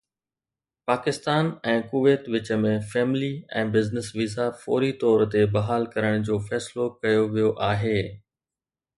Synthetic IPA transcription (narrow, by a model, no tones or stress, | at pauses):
paːkɪst̪aːnɛ̃ːkʊʋeːt̪ʋɪt͡ɕə̆mẽfɛːmɪliɛ̰̃ːbɪznɪsʋɪzafɔ̰ːɾit̪ɔːɾt̪ebɐɦaːlkɐɾəɽ̃d͡ʑoːfɛːslokɐjoʋijoʔaːɦeː